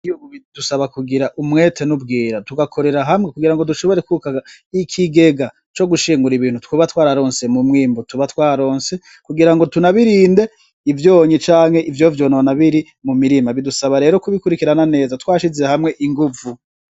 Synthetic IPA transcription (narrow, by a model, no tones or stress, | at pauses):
ijouβid̥usaβakuɡiɾaʔumŋe̞ːtʰe̞nub̚ɡiːɾatuɡakʰo̞ɾe̞ɾaɦamŋekuɡiɾaŋɡoduʃo̞βo̞ɾe̞kukaɡaikʰiɡe̞ɡa | t͡ʃo̞ɡuʃiːŋɡuɾiβiːn̥hutkuβatwaːɾaɾo̞ːnse̞mumŋiːmbutuβatwaːɾo̞ːnse̞ | kuɡiɾaŋɡo̞tunaβiɾiːnde̞ | ivjoːɲit͡ʃaːŋhe̞ʔivjo̞vjo̞ːnonaβiɾi | mumiɾimaβidusaβaɾe̞ːɾo̞kuβikuɾikiɾanane̞ːzatwaːʃizehamŋe̞ʔiŋɡuvu